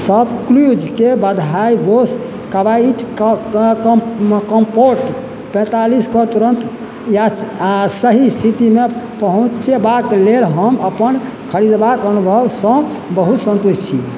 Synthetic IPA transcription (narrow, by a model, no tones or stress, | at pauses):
səbklud͡ʒkebəd̪ʱaibos | kəbaiʈ | kəmpoɾʈ | pɛ̃t̪aliskɔt̪uɾənt̪ | jasəɦist̪ʰit̪imepəɦũt͡ʃt͡ʃʰebaklelɦəməpən | kʰəɾid̪bakənubʱəbsə̃ | bəɦut̪sə̃nt̪ust͡ʃʰḭ